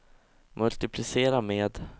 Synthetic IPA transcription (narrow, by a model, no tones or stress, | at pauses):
mʔɵlt̪ɪpʰlɪseːɾameːd̪